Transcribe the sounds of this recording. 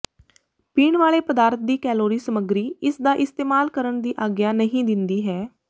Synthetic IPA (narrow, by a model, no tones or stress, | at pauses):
piːɳʋaːleːpəd̪aːɾt̪̚d̪iːkɛːloːɾiːsəməɡɾiːɪsd̪aːʔɪst̪eːmaːlkəɾəɳd̪iːʔaːɡjaːnəɦĩːd̪ɪnd̪iːɦɛː